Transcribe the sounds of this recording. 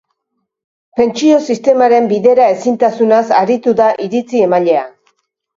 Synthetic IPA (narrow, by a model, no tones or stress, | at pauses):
pe̞nt͡sio̞sist̪e̞maɾe̞mbiðe̞ɾae̞sint̪asunasaɾit̪uðaʔiɾit͡sie̞maʎe̞a